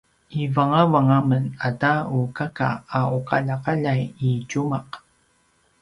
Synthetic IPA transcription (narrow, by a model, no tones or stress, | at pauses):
ivaŋavaŋamənadaukaka̰auqaʎaqaʎajicumaq